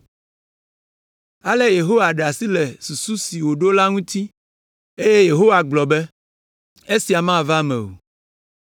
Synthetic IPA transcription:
a˦le˦je˨ɦo˦wa˨ɖa˨si˦le˨su˨su˦si˨wo˨ɖo˦la˦ŋũ˦t̪i˦ | e˦je˦je˨ɦo˦wa˨ɡ͡blɔ˨bɛ˦ | e˦si˨a˨mã˦˨va˦mɛ̰̃˨o̰˨

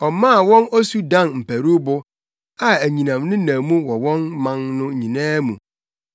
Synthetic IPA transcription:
ɔ˨mã˦˨wɔ̃˦nɔ˦su˦dã˦˨nm̩˨pʰæ˨ɾu˦bʊ˨ | a˦æ˨ɲĩ˨nã˨mnʊ̃˦nã˨mũ˦wɔ˨wɔ̃˦nmã˦nnʊ̃˦˨ɲĩ˨nãː˦mũ˨

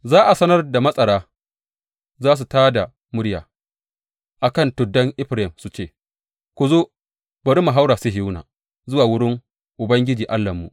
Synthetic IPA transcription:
zaː˦ʔa˨sɐ˦nɐ˦rda˨mɐ˦sʼɐ˨ɽaː˦ | zaː˦s̬u˨taː˦da˨ | mʊ˦ɽja̰ː˨ | ʔa˨kɐ˦˨ntʊ˨dːɐ˦ŋʔɪ˦ɸɾa˦˨ɪ˨msu˦t͡ʃeː˦˨ | kʷu˨zoː˦ | bɐ˨ɾi˦ma˨ɦa˦wɾaː˨si˦ɦɪ˦na̰ː˨ | zʊ˦waː˨wʊ˦ɽɪ˦ŋ | ʔʊ˨bɐ˦ŋɡʲɪ˦d͡ʒiː˨ʔa˦lːɐ˨mːṵ˨ʔ

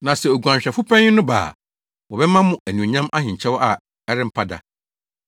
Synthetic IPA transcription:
nã˨sɛ˨o˨ɡu˨ã˨ɲɕᶣɛ˨fʊ˦pʰɛ̃˦ɲɪ˦nʊ̃˦ba̰ː˨ | wɔ˨bɛ˦mã˦mʊ̃˦æ˨nĩ˨o˨ɲã˦mʔa˦ɦɪ̃˨ɲ˨t͡ɕʰɛ˦wɔ˦ʔa˨ | ɛ˦ɾɪ˦m̩˦pʰa˦da̰˨

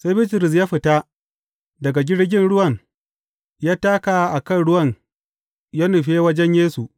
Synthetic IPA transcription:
sa˦jbɪ˦tɪ˨ɾɪ˨s̬jaː˦ɸɪ˨ta˦ | dɐ˨ɡa˨ɡʲɪ˦ɽɡʲɪ˦nɽʊ˦wɐ˨n | jaː˦taː˦ka˨˦ʔa˨kɐ˦˨nɽʊ˦wɐ˨ɲ | jaː˦nʊ˨ɸeː˦wɐ˦d͡ʒɛ˦ɲjeː˦su˨ʔ

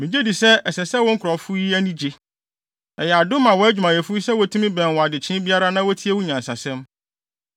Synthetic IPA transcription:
mĩ˨d͡ʑe˦di˨sɛ˦ɛ˨sɛ˨sɛ˦wʊ̃˦ŋ̩˦kʰʊ˨ɾɔ˨fʊ˦i˦æ˦nĩ˦d͡ʑe˦ | ɛ˨jɛ˨a˨dʊ˦mã˨wɔ˨˦æ˦d͡ʑᶣu˨mã˨jɛ˨fʊ˦i˦sɛ˦wɔ˨˦tʰũ˦mĩ˦bɛ̃˨n˨wɔ˨a˨dɪ˨t͡ɕʰɪ̃˦bi˦a˦ɾa˦nã˦wɔ˦tʰi˦e˦wʊ̃˦ɲã˨n˨sa˨sɛ̃˦m

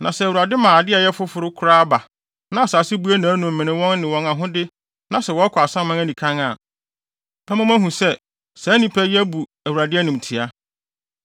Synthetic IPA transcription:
nã˨sɛ˨wu˨ɾa˨dɪ˦mãː˨a˨dɪ˦ɛ˨jɛ˦fʊ˦fʊ˨ɾʊ˦kʰʊ˦ɾaː˦a˦ba˨ | nã˨a˨saː˨sɪ˦bu˦æ˦nã˨˦nũ˨m̩˨mɪ̃˨nɪ̃˦wɔ̃˦nːɪ̃˨wɔ̃˨ŋã˨ɦʊ̃˦dɪ˦ | nã˨sɛ˨wɔ˦kʰʊ˨a˨sã˦mã˦ŋæ˦nĩ˨kʰã˦ŋa˨ | ɛ˦mã˦mæ̃˦ɦũ˨sɛ˦ | sɛ˨˦nĩ˦pʰɛ˦jæ˦bu˨ | æ˨wu˨ɾa˨dɪ˦ɛ˦nʊ̃˨m˨tʰɪ˨a˦

